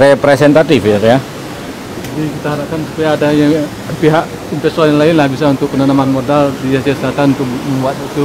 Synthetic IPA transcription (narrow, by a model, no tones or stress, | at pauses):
ɾepɾesɛnt̪at̪ɪfat̪ja | d͡ʒadikit̪aɦaɾap̚kansu̥pajaːdajaŋ | piɦaʔ | impɛst̪oanaŋlaɪnlahbisaunt̪ʊk̚pənanamanmodaldiasiasəlat̪anunt̪ʊk̚k̚məŋuat̪̚t̪u